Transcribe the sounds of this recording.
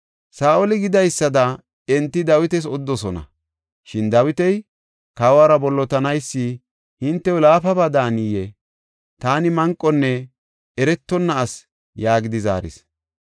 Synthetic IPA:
saːʔɔlɪɡɪd̪ɐjsːɐd̪ɐ | ɛnt̪ːɪd̪ɐwɪt̪ɛs̬ɔd̪ːɔsɔnɐ̰ | ʃɪnd̪ɐwɪt̪ɛj | kawaːɾɐbɔlːɔt̪ɐnɐjsːɪ | hɪnt̪ːɛʊlaːfɐbɐd̪aːnijɛ | t̪aːnɪmɐŋkʼːɔnːɛ | ɛɾɛt̪ːɔnːɐːs | jaːɡɪd̪ɪza̰ːɾɪ̰s

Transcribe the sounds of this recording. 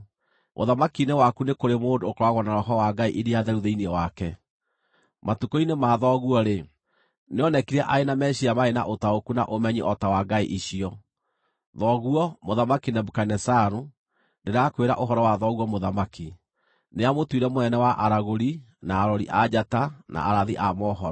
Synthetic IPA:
mʔo̰ðamakinewakunekoɾemoːndoːkoɾwaɣwɔnaɾɔɦɔwaɡaiʔiɾiaðɛɾuðeiniɛwakɛ | matukɔinemaːðɔɣuɔɾe | neɔnɛkiɾɛʔaenamɛɕiamaena̰ʔotaokuna̰ʔomɛɲiʔɔtawaɡaiʔiɕiɔ | ðɔɣuɔmoðamakinɛbokanɛsaɾu | ndeɾakweɾa̰ʔoɦɔɾɔwaðɔɣwɔmoðamaki | neamotwiɾɛmoɛnɛwaʔaɾaɣoɾi | naːɾɔɾiʔad͡ʑatana̰aɾaðiʔamɔɦɔɔ

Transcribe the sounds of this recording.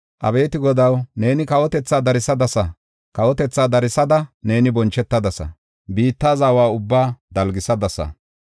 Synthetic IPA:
ʔɐ̰be̞ːt̪ɪɡɔd̪ɐwne̞ːnɪkɐwɔt̪ɛt͡sːaːd̪ɐɾɪsɐd̪ɐsɐ | kɐwɔt̪ɛt͡sːaːd̪ɐɾɪsɐd̪ɐne̞ːnɪbɔnt͡ʃːɛt̪ːɐd̪ɐsɐ̰ | biːt̪ːaːzaːwaːʊbːaːd̪ɐlɡɪsɐd̪ɐsɐ̰

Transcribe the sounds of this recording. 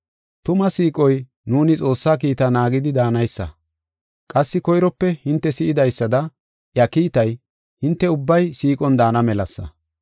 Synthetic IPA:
t̪ʊmɐsiːkʼɔj | nuːnɪt͡sʼo̞ːsːaːkiːt̪ɐnaːɡɪd̪ɪd̪aːnɐjsːɐ̰ | kʼɐsːɪkɔjɾɔpːɛhɪnt̪ːɛsɪʔɪd̪ɐjsːɐd̪ɐ | jɐkiːt̪ɐj | hɪnt̪ːɛʊbːɐjsiːkʼɔnd̪aːnɐmɛlɐsːɐ̰

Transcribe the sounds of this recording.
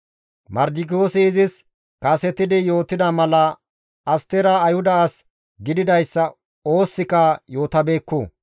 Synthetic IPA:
mɐɾd̪ɪk̬ɪoːsɪːzɪs | kɐːsɛt̪ɪd̪ɪjo̞ːt̪ːɪd̪ɐmɐlɐ | ɐst̪ɛɾɐɐjhʊd̪ɐːs | ɡɪd̪ɪd̪ɐjsːɐ | o̞ːsːɪkɐjoːt̪ɐbe̞ːkːuː

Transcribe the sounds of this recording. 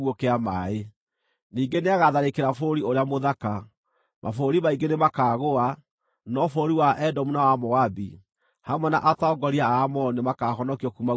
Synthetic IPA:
okeamae | niːŋɡeneaɣaðaɾekeɾafoɾioɾeamoðaka | mʔa̰foɾimaiŋɡenemakaːɣoa | nɔfoɾiwaʔɛdɔmunawamɔabi | hamwɛna̰ʔataɔɡɔɾiaaːmɔnemakahɔnɔkiɔkuma

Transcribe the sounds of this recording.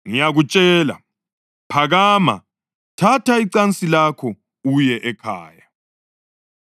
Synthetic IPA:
ŋijaɣut͡ʃʼɛːla̰ | pʰaɣaːma̰ | tʰatʰaiǀant͡sʼilakʰɔ | ujɛʔɛkʰa̰ːja

